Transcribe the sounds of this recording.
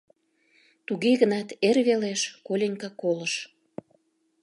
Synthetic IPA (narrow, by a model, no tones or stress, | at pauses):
t̪uɣeɣənɑt̪erβeleʃkolʲenʲkɑkoləʃ